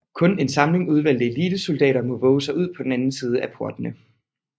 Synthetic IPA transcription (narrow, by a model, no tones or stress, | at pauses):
kʰɔ̽ne̝nsɑ̈mle̝ŋuð̞ˠʋæl̰d̥əe̝liːd̥əso̝ld̥ɛ̰ːɾɐmɔ̽ʋɔ̽ːʊəsɑ̈ɪuð̞̰ˠpʰɒ̽d̥enænn̩siːð̞ˠəæpʰo̝ɐd̥ənə